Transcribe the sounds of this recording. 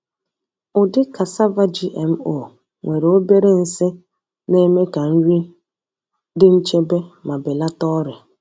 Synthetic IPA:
ʊ˨dɪ˦ka˨sa˦va˦d͡ʒi˦ʔe˨m̩˦o˨ | ŋʷe˨ɾe˨o˦be˦ɾe˦n̩˨sɪ˦ | ne˦me˦ka˨n̩˦ɾi˦ | dɪ˦n̩˦t͡ʃe˦be˦ma˨bɪ˨la˦tɔ˦ɾɪ˨

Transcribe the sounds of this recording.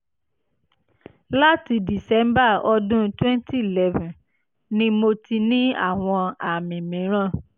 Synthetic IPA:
la˦ti˧di˨sɛ˨˦mba˦˨ɔ˧dũ˦twɛ̃˦n˦ti˦i˨lɛ˦vũ˨ | nĩ˧mo˧ti˧nĩ˦a̰˦˨w̃ɔ̃˧a˨mĩ˨mĩ˨˦ɾ̃ã˦˨

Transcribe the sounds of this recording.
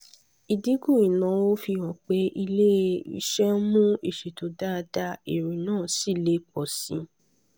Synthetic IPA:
i˨di˨˦ɡũ˦˨ĩ˨nã˨˦wo˦fi˧wɔ̃˨k͡pe˨˦ʔi˧le˦˧˦ḭ˧ʃɛ˦mũ˦i˦˨ʃe˨to˨˦da˦˧da˧˦i˨ɾĩ˨nãː˦˨si˦˨le˦k͡pɔ˨sĩ˧˦

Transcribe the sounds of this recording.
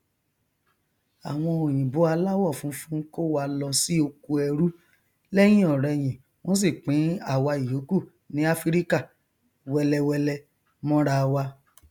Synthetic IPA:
a˨w̃ɔ̃˧o˨j̃ĩ˨bo˨˦a˧la˦wɔ˦˨fũ˨˦fũ˦ko˦wa˧lɔ˧si˦o˧ku˧ɛ˧ɾu˦ | lɛ˦j̃ĩ˦ɔ˨ɾɛ˧j̃ĩ˨ | w̃ɔ̃˦s̬i˦˨k͡pĩ˨˦a˦˨wa˧i˨jo˨˦ku˦˨ | nĩ˨˦a˦fi˦ɾi˦ka˦˨ | wɛ˧lɛ˧wɛ˧lɛ˧ | mɔ̃˦ɾa˧wa˧

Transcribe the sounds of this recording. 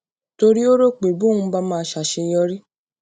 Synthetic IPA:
to˧ɾi˦o˦ɾo˦˨k͡pe˨bu˨˦˨ũ˧˦ba˦mãː˦˧˨ʃa˨ʃe˧j̃ɔ̃˧ɾi˦

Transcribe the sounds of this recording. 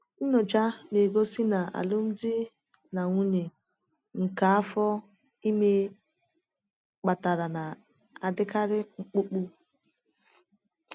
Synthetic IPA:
n̩˦nɔ˨d͡ʒa˦ne˨ɡo˦sɪ˦na˨a̰˨lʊ˦m̩˦dɪ˦ | na˨ŋʷu˦ne˨ | ŋ̩˨ka˨a˦fɔ˦ | i˦me˦ | k͡pa˨ta˨ɾa˨na˨ | a˨dɪ˦ka˦ɾɪ˦ŋ͡m̩˦k͡pu˦k͡pu˦

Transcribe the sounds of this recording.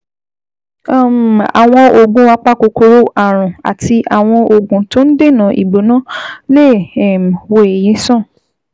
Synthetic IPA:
a˦˨a̰˨w̃ɔ̃˧o˨ɡũ˧˦wa˧k͡pa˦ko˧ko˧ɾo˦ʔa˦˨ɾ̃ũ˨a̰˨ti˧ʔa˨w̃ɔ̃˧o˨ɡũ˨˦to˦n̩˦de˦˨nã˨˦ʔḭ˨bo˨˦nã˦le˦˨m˨wo˧e˨jĩ˨˦sɔ̃˦˨

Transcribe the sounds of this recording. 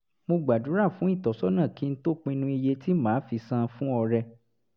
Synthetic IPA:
mo˧ɡ͡ba˨du˨˦ɾa˦˨fũ˨˦i˦˨tɔ˨˦sɔ˦nã˦˨ki˨˦n̩˦to˦k͡pĩ˧nũ˧i˧je˧ti˦mãː˨˦fi˧sã˧fũ˦ɔ˧ɾɛ˧

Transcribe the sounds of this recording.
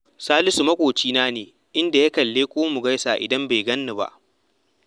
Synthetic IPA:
saː˦lɪ˦su˨mɐ˦kʷʼoː˨t͡ʃiː˦naː˦neː˨ | ʔɪ˦nda˨ja˦kɐ˨lːeː˦kʷʼoː˦mu˨ɡɐ˦jsaː˨ʔɪ̰˨dɐ˦mbe˨ɡɐ˦nːʊ˨ba̰˦˨ʔ

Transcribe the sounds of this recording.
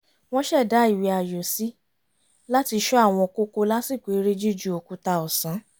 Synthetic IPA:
w̃ɔ̃˦ʃɛ˦˨da˨˦i˦˨wi˨˧˦a˨jo˨si˦ | la˦ti˧ʃɔ˦a˦˨w̃ɔ̃˧ko˦ko˧la˦si˦˨kʷe˨˦ɾe˦d͡ʒu˦˨d͡ʒu˦o˨ku˧ta˧ɔ˨sã˨˦

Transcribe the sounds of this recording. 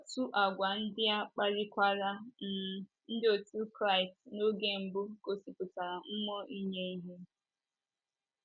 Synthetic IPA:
o˨tu˦ʔa˨ɡʷa˨n̩˦dɪ˦a˦k͡pa˦ɾɪ˦kʷa˦ɾa˦n̩˨ | n̩˦dɪ˦o˨tu˦kɾa˦˨ɪ˨tno˦ɡe˦m̩˨bʊ˦ko˨si˨pʊ˨ta˨ɾa˨m̩˦mɔ˦ʔi˦ɲe˦i˦ɦe˦

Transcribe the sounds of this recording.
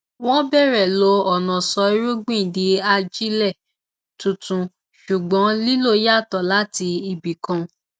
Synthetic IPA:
w̃ɔ̃˦bɛ˦˨ɾɛ˨lo˧ɔ˨nɔ̃˨sɔ˧i˧˦ɾu˦ɡ͡bĩ˦˨di˨˧˦a˧d͡ʒi˦lɛ˦˨ | tũ˨˧tũ˧ | ʃu˨ɡ͡bɔ̃˨˦li˦lo˦˨ja˦˨tɔ˨la˦ti˧i˧bi˨kã˧

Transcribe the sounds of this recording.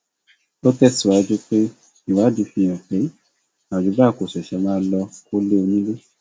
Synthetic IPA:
o˦tɛ˦˨si˨wa˨˧˦d͡ʒu˦k͡pe˦ | i˨wa˨˦di˨˧˦fĩ˧jã˨k͡pe˨˦ | a˨d͡ʒu˨˦ba˦˨ko˨sɛ˨ʃɛ˧˦mãː˦lɔ˧o˦le˦o˧nĩ˦le˦

